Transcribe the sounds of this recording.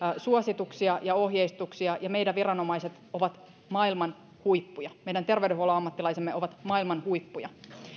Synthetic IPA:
suosit̪uksiɑjɑo̞ɦjeist̪uksiɑjɑmeidæʋʋirɑnomɑiset̪oʋɑt̪ | mɑːilmɑn | huipːujɑmeijdænt̪erʋeydɾeɦuoloɑmːɑt̪ːilɑisemːeo̞ʋɑt̪mɑilmɑnhuipːujɑ̰

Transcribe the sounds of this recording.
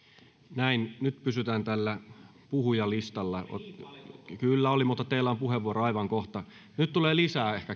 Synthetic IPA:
næinnyt̪pysyt̪æːnt̪ælːæ | puhujɑlist̪ɑlːɑ̰ | kylːæolimuːt̪ːɑt̪ːeilːæompuɦeʋuoɾoɑjʋɑŋkoht̪ɑ | nyt̪t̪uleːlisæːehkæ

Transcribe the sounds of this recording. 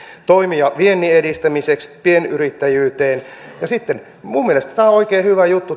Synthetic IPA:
t̪oimijɑʋienːiedist̪æmisekspienyɾit̪ːæjyːt̪eːnjɑsit̪ːen | mumielest̪æt̪æːonoikeːhyʋæjut̪ːu

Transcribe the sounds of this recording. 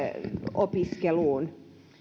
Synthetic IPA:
opiskeluːn

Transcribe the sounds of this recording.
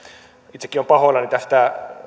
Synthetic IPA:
it̪se̥kːiompɑhoilːɑnit̪æst̪æ

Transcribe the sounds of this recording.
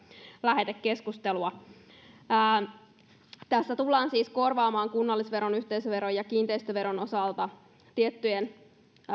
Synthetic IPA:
læɦe̞t̪ekkeskust̪eluɑ | t̪æsːæt̪ulːɑːnsiːsko̞rʋɑːmɑːŋkunːɑlːisʋe̞ɾo̞nyht̪eisøʋe̞ɾojɑkiːnt̪eist̪øʋe̞ɾono̞sɑlt̪ɑ | t̪iet̪ːyen

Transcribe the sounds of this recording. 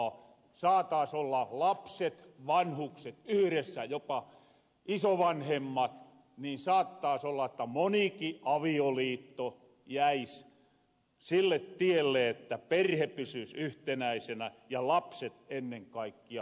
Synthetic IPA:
sɑːt̪ɑːsolːɑlɑpset̪ʋɑnhukset̪yhɾesːæjopɑ | isoʋɑnhemːɑt̪ | niːnsɑːt̪ːɑːsolːɑet̪ːæmonikiʔɑʋioliːt̪ːo | jæis | silːet̪t̪ielːeet̪ːæperhepysysyht̪enæisenæjɑlɑpset̪enːeŋkɑikːiɑ

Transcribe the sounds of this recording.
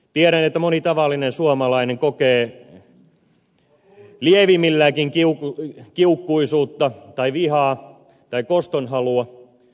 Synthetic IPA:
t̪ieɾænet̪ːæmonit̪ɑʋɑlːinensuomɑlɑineŋkokeː | lieʋimilːæːkiŋkiukkiukːuisuːt̪ːɑt̪ɑiʋihɑː | t̪ɑikost̪onhɑluɑ

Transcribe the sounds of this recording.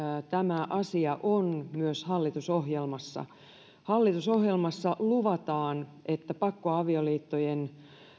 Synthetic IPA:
t̪æmæʔɑsiɑʔonmyøshɑlːit̪usoɦjelmɑsːɑ̰ | hɑlːit̪usohjelmɑsːɑluʋɑt̪ɑːnʔet̪ːæpɑkːoɑʋioliːt̪ːojen

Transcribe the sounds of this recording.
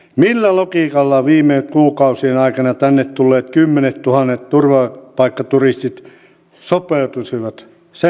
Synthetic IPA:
milːælokiˑkɑlːɑʋiːmːˑekuːkɑusienɑikɑnɑt̪ænːet̪t̪ulːeːt̪kymːenet̪t̪uhɑnːet̪t̪urʋɑpɑikːɑt̪urist̪it̪ | sopeˑut̪usiʋɑt̪ | se

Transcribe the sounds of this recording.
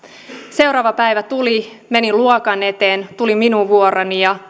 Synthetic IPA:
se̞wɾɑːʋɑpæjʋæt̪uli | me̞niluokɑne̞t̪eːnt̪uliminuʋʋuoɾɑnijɑ

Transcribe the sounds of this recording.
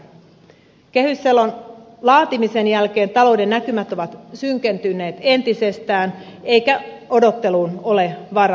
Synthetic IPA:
k̟e̞hysːelːon | lɑːt̪imise̞njælk̟e̞ːnt̪ɑlo̞wde̞nːækymæt̪o̞ʋɑt̪syŋk̟e̞nt̪ynːe̞ːt̪e̞nt̪ise̞st̪æːn | ejkæo̞do̞t̪ːe̞luːno̞le̞ʋɑɾɑ

